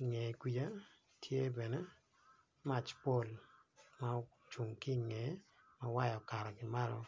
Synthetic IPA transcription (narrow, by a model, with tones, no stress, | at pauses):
i˨ŋɛ˨ɡwi˨ja˦ | tʰje˦bɛ˨ne˦ | ma˦t͡ʃpo˦˨l | ma˦ | t͡ʃu˨ŋki˦ŋɛ˨˦ | ma˦wa˦jɔ˨ka˨ɾɔ˨ɡɪ˨ma˦ɾɔ˦